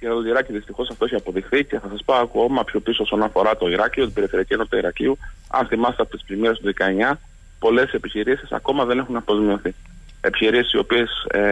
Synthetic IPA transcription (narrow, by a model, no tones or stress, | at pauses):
ket̪ɐt̪oʝiɾɐciðist̪ixo̞sɐft̪o̞içeɐpo̞ðixθice̞θɐsɐspɐkuomɐpçopisoosonɐfo̞ɾɐt̪o̞iɾɐciot̪ib̥e̞ɾifθeɾiɐcienopit̪ɐiɾɐcḭu | ɐ̰nθimɐst̪eɐpot̪isplimiɾest̪uðikɐe̞ɲɐ | po̞le̞se̞piçiɾisisɐ̰ko̞mɐðe̞ne̞xunɐpo̞zmio̞θi | e̞piçiɾisi̥sio̞pie̞s